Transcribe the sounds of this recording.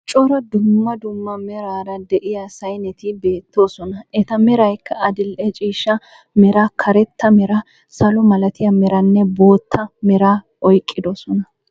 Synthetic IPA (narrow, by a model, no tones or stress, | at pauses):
t͡ʃʼɔɾɔd̪ʊmːɐd̪ʊmːɐmɛɾaːɾɐd̪ɛʔɪjɐsɐjnɛt̪ɪbe̞ːt̪ːo̞ːsɔnɐʔɛt̪ɐmɛɾɐjkʰːɐɐd̪ɪlʔɛt͡ʃʼiːʃːɐ | mɛɾaːkʰɐɾɛt̪ːɐmɛɾɐ | sɐlɔmɐlɐt̪ɪjɐmɛɾɐnːɛbo̞ːt̪ʰːɐmɛɾaː | ʔɔjkʼːɪd̪ɔsɔnɐ